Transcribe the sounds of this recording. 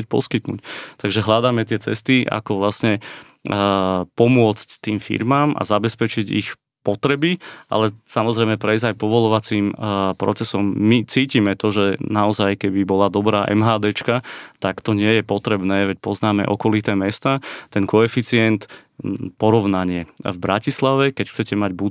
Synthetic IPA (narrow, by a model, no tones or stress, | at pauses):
c̚pɔ̰skit̪nṵct̪aɡʒɛɦʎad̪aːmɛt̪ɪɛt͡sɛst̪iʔa̰kɔʋlasɲɛ | pɔmʊɔt͡sct̪iːmfḭɾmaːma̰zabɛspɛt͡ʃiɟḭx | pɔt̪ɾɛbiʔa̰lɛsamɔzɾɛjmɛpɾɛjzajpɔʋɔlɔʋat͡siːmpɾɔ̰t͡sɛsɔmːit͡siːcimɛt̪ɔʒɛnaɔzajkɛbibɔlad̪ɔbɾaːʔɛ̰mɦaːd̪ɛːt͡ʃkat̪akt̪ɔɲɪɛjɛpɔt̪ɾɛbnɛːʋɛc̚pɔznaːmɛ̰ʔɔkɔlit̪ɛːmɛst̪aːt̪ɛnkɔɛfit͡sɪɛnt̪ | pɔɾɔʊnaɲɪɛvbɾacislaʋɛkɛcxt͡sɛcɛmaɟbu